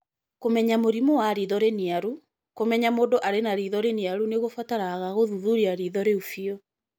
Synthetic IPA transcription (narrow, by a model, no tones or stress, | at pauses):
komɛɲamoɾimɔwaɾiðɔɾeniaɾu | komɛɲamoːdoʔaɾenaɾiðɔɾeniaɾuneɣofataɾaɣaɣoðuðuɾiaɾiðɔɾeufiɔ